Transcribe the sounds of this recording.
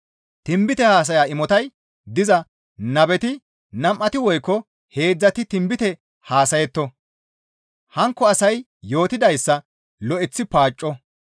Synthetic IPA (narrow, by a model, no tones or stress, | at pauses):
t̪ɪmbɪt̪ɛhaːs̬ɐjaːɪmɔt̪ɐj | d̪ɪzɐ | nɐbɛt̪ɪ | nɐmʔːɐt̪ɪwɔjkːɔ | he̞ːd͡zːɐt̪ɪt̪ɪmbɪt̪ɛ | haːsɐjɛt̪ːɔ | hɐŋkːɔɐsɐj | jo̞ːt̪ɪd̪ɐjsːɐ | lɔʔɛt͡sːɪpaːt͡ʃʼːɔ